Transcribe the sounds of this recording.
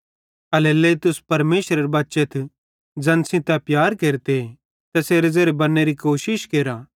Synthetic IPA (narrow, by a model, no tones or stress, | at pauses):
ɐleleːt̪ʊspɐɾmeːsɾɐɾebɐtːʃet̪ʰ | d͡ʒɐ̃nsĩt̪ɛpjaːɾkeːɾt̪e | t̪ɛseːɾezeːɾebɐnːeɾikoːʃɪʃkeːɾaː